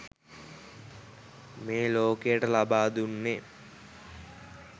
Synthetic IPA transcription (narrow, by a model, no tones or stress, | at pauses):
meːloːkejeʈɐlabaːd̪unːe